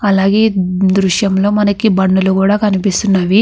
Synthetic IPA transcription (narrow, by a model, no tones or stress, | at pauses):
ɐlaːɡe̞ːd̪ɾuʂjɐmlo̞ːmɐnɐkibɐɳːulukuːɽaːkɐnipist̪unːaːʋi